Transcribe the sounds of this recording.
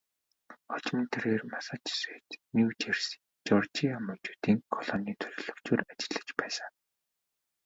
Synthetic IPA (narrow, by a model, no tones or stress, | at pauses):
ɔt͡ɕmə̆nt̪ʰerɣeːrmasə̆t͡ɕseːt̪niwt͡ɕers | t͡ɕɔrt͡ɕiamət͡ɕuːt̪iːŋkʰɔɮɔniːt̪ʰɵɮ̆ɮɵ̆kt͡ɕuːrat͡ɕɪ̆ɮə̆t͡ɕpæːsə̆ŋ